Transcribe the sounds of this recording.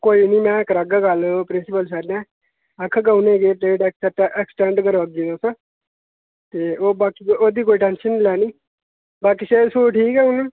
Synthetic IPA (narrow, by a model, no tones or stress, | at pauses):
koːiːniːmɛ̃ːkəɾaɡaːɡaːlːpɾɪnsɪpəlsɛːɾnɛ̃ː | əkʰːɡaːuneːɡeːpeːɖɛkɛʈʔɛksʈɛ̃ːɳɖkəɾʋəɡid̪õːsə̃ | t̪eːoːbaːkioːd̪iːkoːiʈɛ̃ːnʃənːilɛːniː | baːkiːʃeːsoːʈʰiːkɛːʊne